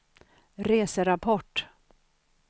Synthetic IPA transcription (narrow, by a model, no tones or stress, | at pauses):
ɾeːsəɾapʰɔʈː